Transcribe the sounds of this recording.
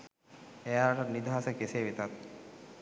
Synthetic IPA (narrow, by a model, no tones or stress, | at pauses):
ejaɾaʈat̪nid̪ʱaːsəkeseːʋet̪at̪